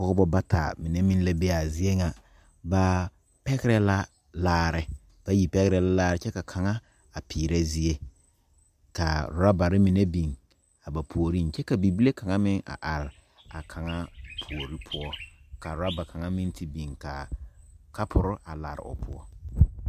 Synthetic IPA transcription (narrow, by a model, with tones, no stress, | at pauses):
kɔ˦kʊ˦bɔ˦ba˦tʰa̰˨mɪ˨ne˦mi˦nla˦be˦a˨zɪ˦e˦ŋa˨ | ba˦ | pɛ˦ɣɪ˦ɾɛ˦la˦ | laː˦ɾɪ˦ | b̥a˦ji˨pɛ˦ɣɪ˦ɾɛ˦la˦laː˦ɾɪ˨˦t͡ʃɛ˦ka˨kʰa˨ŋa˦ | a˨pʰiː˨ɾe˦zɪ˦e˦ | ka˨ɾʊ˨ɾa˦ba˨ɾɪ˦mi˨ne˦bi˨ŋ | a˨ba˨pʰu˨o˨ɾi˦n˨t͡ʃɛ˦ka˨bi˨bi˦le˦kʰa˨ŋa˦mɪ˦ŋa̰˨ʔa˨ɾɪ˨ | a˨kʰa˨ŋa˦pʰu˨o˨ɾi˦pʰʊ˦ɔ˦ka˨ɾʊ˨ɾa˦ba˨kʰa˨ŋa˦mi˦n˦ti˦bi˨ŋka̰˨ | ka˦pʰʊ˨ɾʊ˦ʔa˨la̰ː˨ɾɪ̰˨ʊ̰˨pʰʊ̰˦ɔ˦